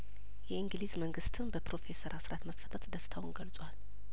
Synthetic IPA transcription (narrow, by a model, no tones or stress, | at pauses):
jɛɨŋɡlizməŋɡɨst̪ʰɨnbəpɾo̞fe̞səɾʔasɾat̪məfːət̪ʰət̪d̪əst̪ʰawunɡəlt͡sʼwal